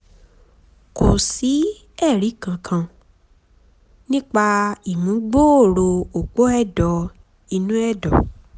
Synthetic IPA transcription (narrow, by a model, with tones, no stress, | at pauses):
ko˨si˨˦ | ɛ˦˨ɾi˨˦kã˨˧kʰã˧ | nĩ˦k͡pa˧i˨mũ˨˦ɡ͡bo˦o˦˨ɾo˧o˨k͡po˦ɛ˦˨dɔ˧ | i˧nũ˦ɛ˦˨dɔ̰˨